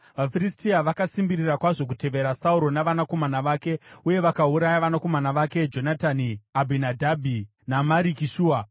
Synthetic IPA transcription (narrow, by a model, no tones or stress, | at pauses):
ʋafiristiaʋakasimbirirakwaʐo̞k̬ute̞ʋe̞ɾasauɾo̞naʋanako̞manaʋaːke̞uje̞ʋakauɾajaʋanako̞manaʋake̞d͡ʒo̞nataniabʱinadʱabʱi | namaɾikiʃuːa